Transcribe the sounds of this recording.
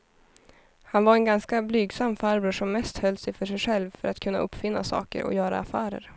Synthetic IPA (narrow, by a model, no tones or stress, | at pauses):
hanvaɾɛnɡanskablyːɡsamːfaɾbɵʂɔmːɛst̪hœlːsɛjfœʂɛjɧɛlvfœɾat̪kʰɵnːa̰ʔɵpːfɪnːasɑ̰ːkə̰ɾɔ̰jœːɾa̰ːfæːɾə̰ɾ